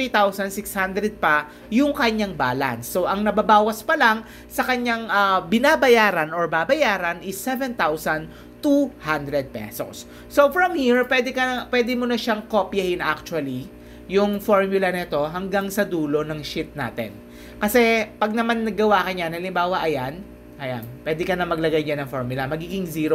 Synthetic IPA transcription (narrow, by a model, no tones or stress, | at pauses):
it̪awsɐnsɪkshand̪ɾɛd̪̚pɐ | jʊŋkɐɲaŋba̰ːlɐ̰nsːo̞ʔɐŋnɐbɐbaːwɐspɐlaŋ | sɐkɐɲaŋʔɐbɪnabɐjaːɾɐnoɹbabɐjaːɾɐnʔɪsːɛvɛnt̪awsɐn | t̪uhand̪ɾɛd̪̚pɛ̰so̰sː | o̞fɹɐmhiɹpwɛːd̪ɛkɐnɐpwɛːd̪ɛmonɐʃaŋkopjɐhɪnʔa̰k̚t͡ʃʊwɐli | jʊŋfoɹmjʊlɐnɛt̪o̞ɦɐŋɡaŋsɐd̪uːlo̞nɐŋʃɪt̪̚na̰ːt̪ɛ̰n | kɐsɛpɐɡ̚nɐmanːɐɡːɐwakɐɲanɐlɪmbaːwɐʔɐjan | ʔɐja̰npwɛːd̪ɛkɐnɐmɐɡ̚lɐɡajɲanɐŋfoɹmjʊlɐmɐɡiːɡɪŋziːɾo